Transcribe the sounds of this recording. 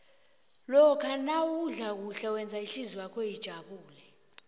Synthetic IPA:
lɔkʰanawuɮak̬uɬɛwɛnd͡zʱaiɬiziwakʰɔjid̥ʒ̥ʱaɓuːlɛ

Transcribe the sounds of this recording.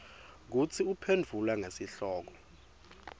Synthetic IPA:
k̬ut͡sʰiupʰendʱulwaŋesiɬɔːk̬ɔ̥

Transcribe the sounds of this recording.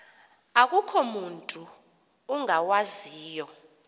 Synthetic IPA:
ak̬ʼukʰɔmuntʼuː | ŋʱawaziːjɔ

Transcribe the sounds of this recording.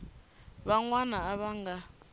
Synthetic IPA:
βaŋwanaːβaŋɡa

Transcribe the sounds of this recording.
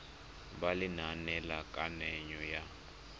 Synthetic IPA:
balinanɛlakʼanɛɲɔja

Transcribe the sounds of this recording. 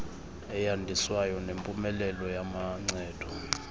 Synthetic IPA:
ɛjandʱiswajɔnempʼumɛlɛlɔjamaŋ͡ǀɛːd̥ʱɔ

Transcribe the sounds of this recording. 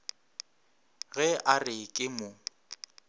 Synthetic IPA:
ɣɛʔarɪkʼɪmʊ

